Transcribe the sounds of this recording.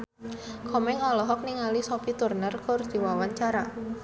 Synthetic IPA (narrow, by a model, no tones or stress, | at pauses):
kʰɔmɛŋalɔɦɔk̚niŋalisɔpit̪urnərkʊrd̪̥i̤wawaɲt͡ʃaɾa